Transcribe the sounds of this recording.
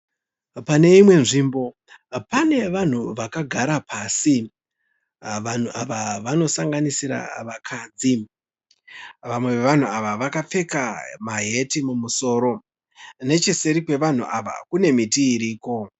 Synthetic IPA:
pane̞imwe̞nʐiːmbo̞ | pane̞ʋan̤uʋakaɡʱaɾapaːsi | ʋan̤uʔaʋaʋano̞saŋɡanisiɾa̰ʋakʰaːd͡zi | ʋamwe̞ʋeʋan̤uaʋaʋakap͡fe̞kamaɦe̞timumuso̞ːɾo̞ | ne̞t͡ʃese̞ɾikwe̞ʋan̤uʔa̰ʋa̰kune̞mitiːɾiːko̞

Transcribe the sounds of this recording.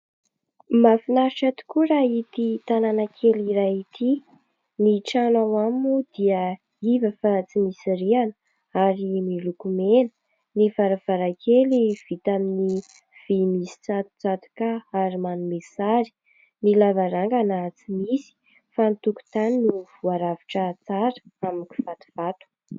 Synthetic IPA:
mafinaɾiʈ͡ʂat̪u̥kuɾait̪it̪ananakʰeliɾait̪ʰi | niʈ͡ʂanawamud̪iə | ivəfat͡simisiɾianə | aɾimilukumenə̥ | nivaɾav̥aɾakʰeliv̥it̪amini | v̥emisi̥t͡sat̪u̥t͡sat̪u̥kaaɾimanumesaɾi̥ | nilavaɾaŋɡanat͡simisi̥ | fanit̪uku̥t̪anniv̥uaɾaviʈ͡ʂət͡saɾə̥aminiki̥v̥at̪u̥v̥at̪u̥

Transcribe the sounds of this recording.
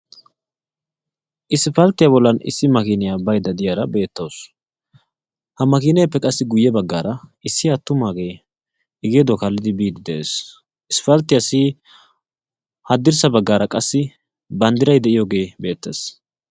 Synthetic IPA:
ʔɪsfɐlt̪ːɪjabɔlːɐnɪ̰sːɪmɐkiːnɪjabɐjd̪ɐd̪ɪjaɾɐbe̞ːt̪ːoːs | hɐmɐkiːnɛpːɛkʼɐsːɪɡʊjːɛbɐɡːaːɾɐʔɪsːɪɐt̪ːʊmaːɡe̞ː | ɪɡed̪okɐlːɪd̪ɪbiːd̪ɪd̪ɛʔḛːs | ʔɪsfɐlt̪ːɪjasi | hɐd̪ːɪɾsɐbɐɡːaːɾɐkʼɐsːɪ | bɐnd̪ɪɾɐjd̪ɛʔɪjoːɡe̞ːbe̞ːt̪ːḛs

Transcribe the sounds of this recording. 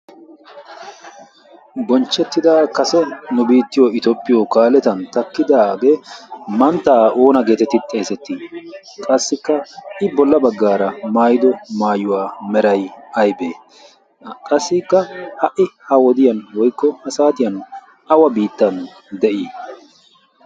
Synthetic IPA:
bɔnt͡ʃːɛt̪ːɪd̪akɐsɛnʊbiːt̪ːɪjoɪt̪opʼːɪjokaːlɛt̪ɐnt̪ɐkːɪd̪aːɡemɐnt̪ːaːo̞ːnɐɡe̞ːt̪ɛt̪ːɪt̪ʼːe̞ːsɛt̪ːi | kʼɐsːɪkːɐʔɪbɔlːɐbɐɡːaːɾɐmaːjɪd̪ɔmaːjʊwaːmɛɾɐjɐjbeː | kʼɐsːɪkːɐhɐʔɪhɐwɔd̪ɪjɐnwɔjkːɔhɐsaːt̪ɪjɐn | ʔɐwɐbiːt̪ːɐn | d̪ɛʔiː

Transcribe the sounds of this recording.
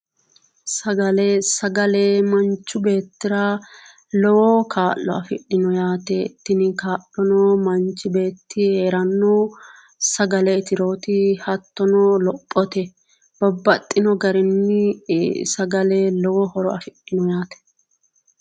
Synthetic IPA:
sɐɡɐlɛsɐɡɐlɛmɐnt͡ʃːʊbe̞ːt̪ːɪɾɐ | lɔwɔkʰaːʔːɔ̰ɐfɪɗːɪnɔjaːt̪ɛt̪ɪnɪkaːʔɔnɔmɐnt͡ʃːɪbe̞ːt̪ːɪheːɾɐnːɔ | sɐɡɐlɛt̪ɪɾo̞ːt̪ɪhɐt̪ːɔnɔlɔpʼːɔt̪ɛ | b̥ɔbːɐt̪ʼːɪnɔɡɐɾɛnːɪsɐɡɐlɛlɔwɔhɔɾɔɐfɪɗːɪnɔjaːt̪ɛ̥

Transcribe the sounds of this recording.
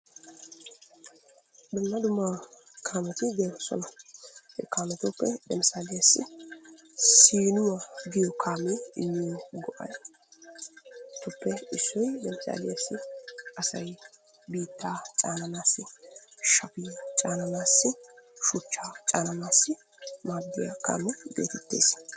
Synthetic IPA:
d̪ʊnːɐd̪ʊmːa | kʰaːmɛt̪ɪɡeːsɔ̰nɐhɛ̰kːaːmɛt̪ɔːpːɛd̪ɛmsaːlɪjɐsːɪ̰ | siːnʊwɐɡɪjɔkʰaːmɪɪjːʊwɡɔʔɐ̰j | t̪ːʊpːɛɪsːɔjd̪ɛmsa̰ːlɪjasːɪɐsɐj | biːt̪ːaːt͡ʃʼaːnɐnaːsːɪʃɐpɪjat͡ʃʼaːnɐnaːsːɪʃʊt͡ʃːaːt͡ʃʼaːnɐnaːsːɪ | maːbːɪja̰ka̰ːmɛɡḛːt̪ɛt̪ːe̞̰ːs

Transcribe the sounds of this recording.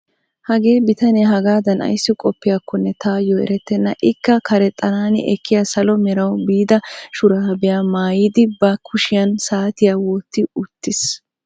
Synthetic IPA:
hɐɡe̞ːbɪt̪ɐnɛɦɐɡaːd̪ɐnɐ̰jsːɪkʼɔpːɪjakːɔnːɛt̪ʰaːjɔɛ̰ɾɛt̪ːɛnːɐʔɪkːɐkɐɾɛt̪ʼːɐnaːnɪ̰ʔɛkːɪjasɐlɔmɛɾɐwbiːd̪ɐʃʊɾaɐbɛjaːmaːjɪd̪ɪbɐkʰʊʃɪjɐnsaːt̪ɪjaːwoːt̪ːɪʊt̪ːɪs

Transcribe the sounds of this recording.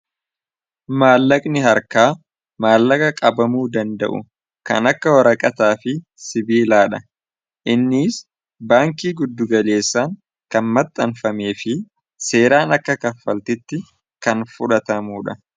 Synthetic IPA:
maːlːɐkʼnɪɦɐɾkaː | maːlːɐkʼɐkʼɐbɐmuːd̪ɐnd̪ɐ̰ʔʊ̰ | kɐ̰nɐkːɐwɐɾɐkʼɐt̪aːfɪ | sɪbiːlaːᶑɐ | ʔɪnːɪːs | baːŋkiːɡʊd̪ːʊɡɐle̞ːsːaːŋ | kɐnmɐt̪ʼːɐnfɐme̞ːfɪ | se̞ːɾaːnɐkːɐkɐfːɐlt̪ɪt̪ːɪ | kɐnfʊᶑɐt̪ɐmuːᶑɐ

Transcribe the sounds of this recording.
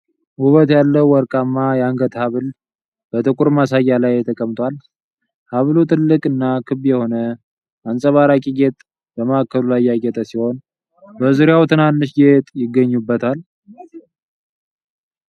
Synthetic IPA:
huβət̪jalːəwwɔɾkʼamːajaŋɡət̪ʼhaβɨl | b̥ət̪ʼɨkʼuɾmasajːalajːɛt̪ʰəkʼəmt̪ʼwal | haβlut̪ʰɨlːɨkʼɨnːakʰɨβjɛho̞nə | ʔansʼəβaɾakʼiɡet̪ʼ | bəməakʰːəlulajjaɡət̪ʼəsiho̞n | bəzuɾjawt̪ʰɨnanːɨʃɡet̪ʼjɪɡːəɲːubːət̪ʰal

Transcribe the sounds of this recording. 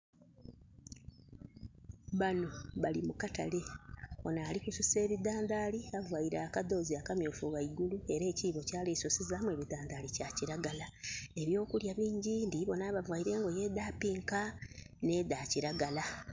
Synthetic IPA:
βano̞βalimukata̰le̞βo̞naːlikususe̞ːβid̪aːnd̪aːliavwajiɾaːkad̪o̞ːziakamjoːfuɣaiɡulue̞ɾe̞ːciːβo̞caːlesosizaːmwe̞βid̪aːnd̪aːlicaciɾaɡalae̞βjo̞ːkuljaβiːɲɟiːndiβo̞naβavwajiɾe̞ːŋɡo̞je̞d̪aːpiːŋkane̞ːd̪aːciɾaɡala

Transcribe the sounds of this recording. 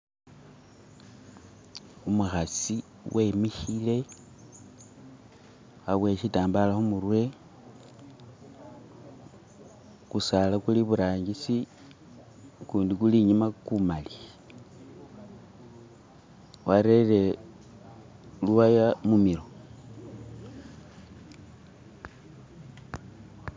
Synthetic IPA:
umuxasi | wʔe̞miʃile̞ | aβwe̞ʃitaːmbalaxumuɾwe̞ | kusalakuliβuɾaːɲɡisi | kuːndikuliɲimakumali | waɾele̞ | luwajamumiɾo

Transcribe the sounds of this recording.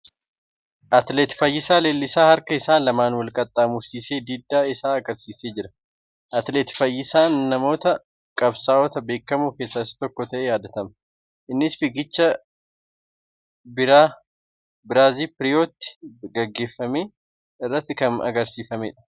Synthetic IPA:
ʔɐt̪leːt̪fɐjːɪsaːle̞ːlːɪsaːhɐɾkɐɪsaːlɐmaːnwɐlkʼɐt̪ʼːaːmʊɾsiːse̞ːd̪iːd̪ːaːɪsaːɐɡɐɾsiːseːd͡ʒɪɾɐ | ʔɐt̪leːt̪fɐjːɪsaːnːɐmo̞ːt̪ɐ | kʼɐbsaːʔɔt̪ɐbe̞ːkːɐmuːke̞ːsːaːɪst̪ɔkːɔt̪ɐʔe̞ːjaːd̪ɐt̪ɐmɐ | ʔɪnːɪsfɪɡɪt͡ʃːɐ | bɪɾaː | bɪɾaːziːpɪɾɪjoːt̪ːɪ̥ɡɐɡːe̞ːfːɐmeː | ɪrːɐt̪ːɪkɐnɐ̰ɡɐɾsiːfɐmeᶑɐ̥

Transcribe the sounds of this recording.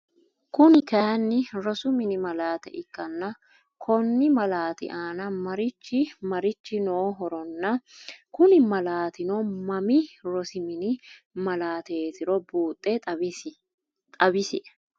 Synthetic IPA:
kʊnɪkɐjɐnːɪɾɔsʊmɪnɪmɐlaːt̪ɛ̰ʔɪkːɐnːɐ | kʰɔnːɪmɐlaːt̪ɪ̰ʔaːnɐmɐɾɪt͡ʃːɪmɐɾɪt͡ʃːɪnoːɦɔɾɔnːɐkʊnɪmɐlaːt̪ɪnɔmɐmɪɾɔsɪmɪnɪ | mɐlaːt̪eːt̪ɪɾɔbuːt̪ʼːet̪ʼ | t̪ʼɐbɪsɪʔɛ

